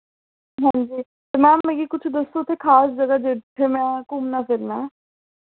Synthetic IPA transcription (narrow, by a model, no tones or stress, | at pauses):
ɦɛ̃ːɲd͡ʒiː | t̪emɛ̃ːmeːɡikʊt͡ʃʰd̪əst̪oːt̪ʰːekʰaːsd͡ʒəɡad͡ʒeːʈ̪ʰːemɛ̃ːkʊmnapɪɾmɛ̃ː